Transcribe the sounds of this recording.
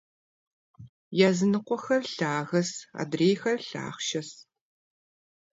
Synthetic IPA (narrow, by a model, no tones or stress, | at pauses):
jaːzɨnɨqʷɔxɐrɬaːɣɐsa̰ːdreːjxɐrɬa̰ːχʃɐs